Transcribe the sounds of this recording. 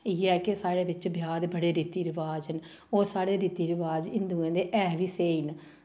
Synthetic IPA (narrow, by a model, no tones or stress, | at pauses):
iːɛːkɪsaːɽeːʋɪt͡ʃbʱjaːd̪eːbəɽeːɾiːt̪iːɾɪʋaːd͡ʒən | oːsaːɽeːɾiːt̪iːɾɪʋaːd͡ʒɪnd̪uːɛ̃ːd̪eːʔɛːʋiːseːiːn